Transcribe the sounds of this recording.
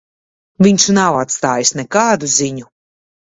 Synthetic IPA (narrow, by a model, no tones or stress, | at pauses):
vʲiɲʲʃnawat̪st̪aːjisnɛkaːd̪uziɲu